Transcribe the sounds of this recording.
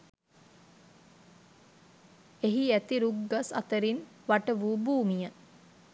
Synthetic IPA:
eɦiæt̪iɾuɡːasa̰t̪əɾin | ʋaʈəʋuːbuːmijə

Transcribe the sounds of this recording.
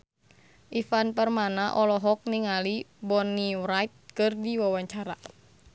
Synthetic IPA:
ʔifanpərmanaʔɔlɔɦɔk̚niŋalibɔniwɾajt̪̚kɨrdiwawaɲt͡ʃaɾa

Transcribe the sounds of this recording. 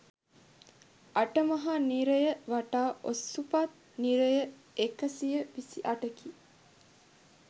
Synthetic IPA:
ʔaʈəmɐɦaniɾɐjəʋaʈaːʔosupat̪ | niɾejə | ekɐsijəʋisiʔɐʈəki

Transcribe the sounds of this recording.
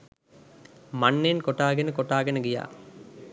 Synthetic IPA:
manːenkoʈaːɡenəkoʈaːɡenəɡija̰ː

